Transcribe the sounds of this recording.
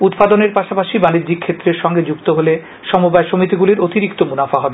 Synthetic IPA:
ut̪pad̪oneɾpaʃapaʃibanid̪d͡ʑik̚kʰet̪ːɾeɾʃɔŋɡed͡ʑukt̪oɦole | ʃɔmobaeʃomit̪iɡuliɾot̪iɾikt̪omunafaɦɔbe

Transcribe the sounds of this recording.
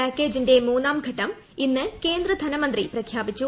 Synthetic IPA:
aːkːe̞ːd͡ʑinde̞muːnːaːmɡʱɐʈːɐm | inːɨke̞ːnd̪rɐd̪ʱɐnɐmɐnd̪riprɐkʰjaːbit͡ɕːu

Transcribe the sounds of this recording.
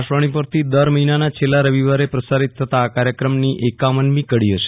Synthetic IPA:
aʃʋəɽ̃ipəɾt̪ʰid̪əɾməɦinanat͡ʃʰelːaɾəʋiʋaɾepɾəsaɾit̪ʰːət̪aːkaɾjəkɾəmniʔekamənmikəɽiɦəʃe̥

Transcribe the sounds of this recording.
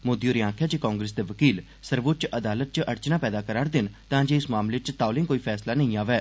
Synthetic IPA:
moːd̪ioːɾiãːkʰjaːt͡ʃeːkãːŋɡɾeːsd̪eːʋəkiːl | səɾʋʊt͡ʃʔəd̪aːlət̪̚t͡ʃʔəɾt͡ʃnaːpɛːd̪aːkəɾaːɽd̪ɪnt̪ãːd͡ʒeːɪsmaːmleːt͡ʃt̪aːlɪ̃ŋkoːiːpʰɛːslaːnəĩːaːʋɛː

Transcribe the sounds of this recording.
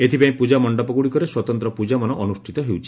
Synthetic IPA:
et̪ʰipaĩpud͡ʒamɔɳɖɔpɔɡuɽikɔɾeswɔt̪ɔnt̪ɾɔpud͡ʒamɔnɔʔɔnusʈʰit̪ɔɦewt͡ʃʰi̥

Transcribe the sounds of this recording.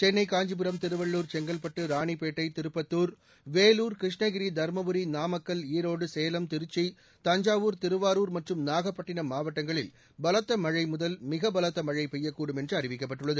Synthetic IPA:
t͡ʃɛnːɐɪkaːɲd͡ʒɯp̬ɯɾɐmt̪ɪɾɯʋɐɭːuːɾt͡ʃɛŋɡɐlpɐʈːɯɾaːɳipeːʈːɐɪt̪ɪɾɯpːɐt̪ːuːɾ | ʋeːluːɾkɾɪʂɳɐɣɪɾid̪ʱɐɾmɐʋɯɾinaːmɐkːɐliːɾoːɽɯseːjɐlɐmt̪ɪɾɯt͡ʃːi | t̪ɐɲd͡ʒaːʋuːɾt̪ɪɾɯʋaːɾuːɾmɐʈrɯmnaːɣɐpːɐʈːɪnɐmaːʋɐʈːɐŋɡɐɭɪ̰l | bɐlɐt̪ːɐmɐɻɐɪmʊðɐlmɪɣɐbɐlɐt̪ːɐmɐɻɐɪpɛjːɐkːuːɽɯmɛndrɯɐɾɪʋɪkːɐpːɐʈːɯɭːɐðɯ

